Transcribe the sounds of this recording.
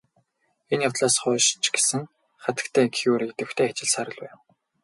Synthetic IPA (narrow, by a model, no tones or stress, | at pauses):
enjawt̪ɮaːsχʊːʃt͡ɕɡe̥sɘ̆ŋ | χat̪ə̥̆kt̪ʰæːkʰiuːɾikt̪ĕwxt̪ʰeːat͡ɕɪ̆ɮsaɾə̆ɮpæːw